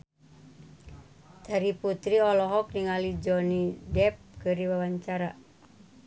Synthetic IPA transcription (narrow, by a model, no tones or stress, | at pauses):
daɾiput̪ɾiɔlɔɦɔk̚niŋalid͡ʒɔnidɛp̚kɨrdiwawaɲt͡ʃaɾa